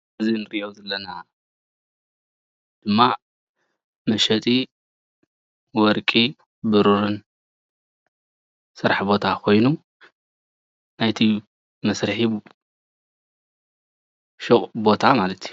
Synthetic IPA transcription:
ɨzinɨɾiʔowzɐlːɐna | d̪̥ɨmːa | mɐʃɐt̪ʰʼi | wɔɾkʼi | bɨɾuɾɨn | sɨɾħbo̞t̪ʰakʰo̞jnu | najt̪ʰi | mɐsɾħi | ʃɨχʼbo̞t̪ʰamalɐt̪ju

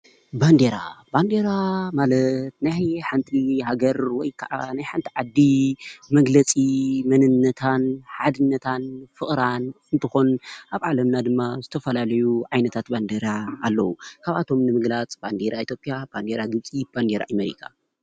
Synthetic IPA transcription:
band̪eɾa̰band̪eɾamalɐt̪̚najħant̪ʰiɦaɡɐɾwɔjkʰaʔa̰najħant̪ʰiʕad̪ːimɐɡlɐt͡sʼimɐnɨnːɐt̪ʰanħad̪ɨnːɐt̪ʰanfɨχʼɾanɨnt̪ʰɨxonaβʕalɐmnad̪ɨmːazɨt̪ʰɐfɐlalɐjuʕajnɐt̪ʰat̪band̪eɾaːlːɐwukʰaβʔat̪ʰo̞mnɨmɨɡlat͡sʼb̥and̪eɾait̪ʰjo̞pʼjab̥and̪eɾaɡɨβt͡sʼib̥and̪eɾa̰ʔameɾḭkʰa

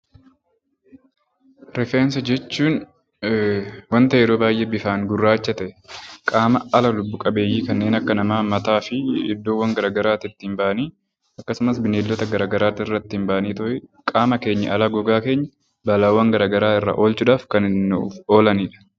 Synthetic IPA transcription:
ɾɛfɛnsɐd͡ʒɛt͡ʃːuːn | wɐnt̪ɐjɛɾoːbaːjʔeːbɪfaːŋɡʊrːaːt͡ʃːɐt̪ɐʔɛkʼaːmɐɐlɐlʊbːʊkʼɐbe̞ːjːiːkɐnːe̞ːnɐkːɐnɐmaːmɐt̪aːfɪɪd̪ːoːwːɐŋɡɐɾaːɡɐɾaːt̪ɪt̪ːiːmbaʔɐniː | ɐkːɐsʊmɐsbɪneːlːɔt̪ɐɡɐɾaːɡɐɾaːt̪ɪɪrːɐt̪ːɪɪmbaʔɐniːt̪ʊhɪkʼaːmɐke̞ːɲːɐ̰ʔɐlaːɡɔɡaːke̞ːɲːɐ | bɐlaːwːɐŋɡɐɾaːɡɐɾaːɪrːa̰ːʔo̞ːlt͡ʃʊᶑaːfkɐnɪnːo̞ːlɐniːᶑɐ̥

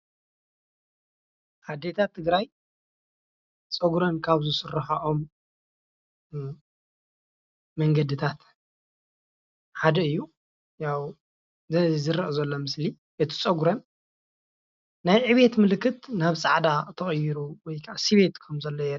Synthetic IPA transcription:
ʔad̪et̪ʰat̪ʰːɨɡɾaj | t͡sʼɐɡɾɐnkʰaβzɨsɨrːɐħaʔom | ɐŋɡɐd̪ɨt̪ʰat̪ | ħad̪ɐɨjːu | jaw | zɨɾɐʔzɐlːomɨsli | ʔɨt̪ʰi̥t͡sʼɐɡuɾɐn | najʕɨβe̞t̪mɨlɨkːɨt̪naβsʼaʕd̪at̪ʰɐχʼjːɪɾuwɔjkʰaʔasiβe̞t̪kʰɐmzɐlːojɛ

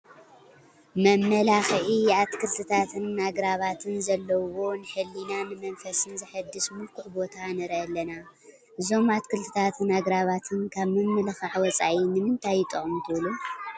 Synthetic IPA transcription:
mɐmːɐlaxʔiat̪kʰɨlt̪ʰɨt̪ʰat̪ʰɨnːaɡɾaβat̪ʰɨnzɐlːɐwo̞nɨħɨlːinanɨmɐnfɐsɨnzɨħɨd̪ːɨsmulkʰuʕbo̞t̪ʰanɨɾɐɐlːɐna | ʔɨzo̞mat̪kʰɨlt̪ʰɨ̥t̪ʰat̪ʰɨnaɡɾaβat̪ʰɨnkʰaβmɨmːɐlxaʕwɔt͡sʼaʔinɨmɨnt̪ʰajːɪt̪ʼɨχʼmt̪ʰɨβlu

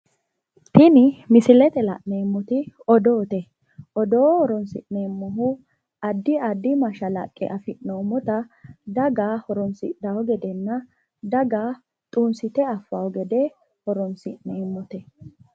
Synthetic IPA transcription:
t̪ɪnɪmɪsɪlɛt̪ɛlɐ̰ʔnɛmːɔt̪ɪɔd̪oːt̪ɛ | ʔɔd̪oːhɔɾɔnsɪ̰ʔnɛmːɔɦʊ | ɐd̪ːɪɐd̪ːɪmɐʃɐlɐ̰kʼːɛ̰ʔɐfɪʔnomːɔt̪ɐd̪ɐɡaːhɔɾɔnsɪʔnɐwɔɡɛd̪ɛnːɐ | d̪ɐɡaː | t̪ʼuːnsɪt̪ɛɐfːawɡɛd̪ɛ | hɔɾɔnsɪʔnɛmːɔt̪ɛ

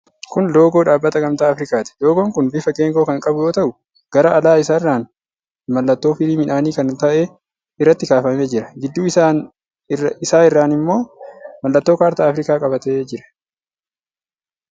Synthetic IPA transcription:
kʊnlo̞ːɡo̞ːᶑaːbːɐt̪ɐɡɐmt̪aːɐfɾɪkaːt̪ɪ̥lo̞ːɡoːŋkʊnbɪfɐɡe̞ːŋɡo̞ːkɐŋkʼɐbʊjo̞ːt̪ɐʔʊ | ɡ̥ɐɾɐʔɐlaːɪsaːrːaːn | mɐlːɐt̪ːo̞ːfɪliːmɪnaːniːkɐnt̪ɐʔeː | ɪrːɐt̪ːɪkaːfɐmeːd͡ʒɪɾɐɡɪd̪ːuːa | ɪsaːɪrːaːnɪmːo̞ːmɐlːɐt̪ːo̞ːkaːɾt̪aːɐfɾɪkaːkʼɐbɐt̪e̞ːd͡ʒɪɾɐ̥

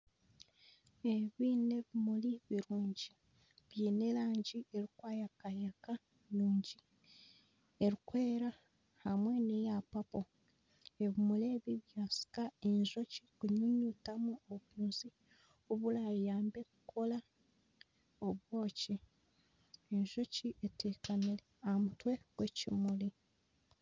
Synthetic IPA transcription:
eβine̞βimuliβiɾuːɲɟi | βjiːne̞laːɲɟie̞ɾikwaːjakajeka | nuːɲɟi | eɾikwe̞ːɾa | hamwenejapapo | e̞βimuleːβiβjaːsi̥kae̞ɲʒo̞cikuɲuɲutamuoβjuːnzi | uβulajaːmbe̞ku̥kʰo̞la | oβwo̞ːci | eɲʒo̞ciʔetʰeːkamileamutwe̞ɡ̥wecimuli

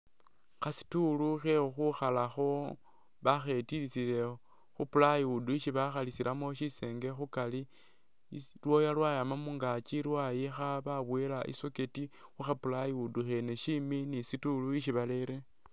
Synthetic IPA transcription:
xasi̥tuluxexuxalaxo̞ | βaxe̞tilit͡sile̞ | xupulajiuduiʃiβaxalisiɾʔamoʃise̞ːŋɡe̞xukali | lwo̞jalwajamamuŋɡat͡ʃiɾwajixaβaβwelaʔḭsoke̞tixuxapulajiuduxeneʃiminisituluiʃiβale̞ɾe̞

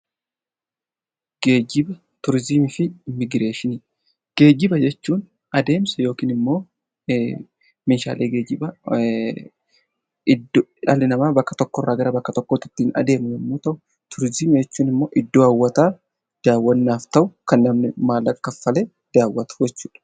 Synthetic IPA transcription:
ɡ̥e̞ːd͡ʒɪbɐ | t̪ʊɾzɪmɪfɪmɪɡɪɾe̞ːʃɪni | ɡ̥e̞ːɡɪbɐd͡ʒɛt͡ʃːuːn | ɐd̪e̞ːmsɐjo̞ːkiːnɪmːo̞ː | meʃa̰ːlʔeːɡe̞ːd͡ʒɪbɐ | ɪd̪ᶑɐlɪnɐmaːbɐkːɐ̥t̪ɔkːɔrːaːɡɐɾɐbɐkːɐt̪ɔkːɔt̪ːɪt̪ːiːnɐ̰d̪e̞ːmʊnɐmːuːt̪ɐʔʊ | t̪ʊɾzɪmɪd͡ʒɛt͡ʃːuːnɪmːo̞ːʔɪd̪ːoːɐwːɐt̪aː | d̪̥aːwːɐnːaːft̪ɐʔʊkɐnːɐmnɪmaːlɐkːɐfːɐleː | d̪̥aːwːɐt̪ʊ̥d͡ʒɛt͡ʃːu̥ːᶑɐ̥

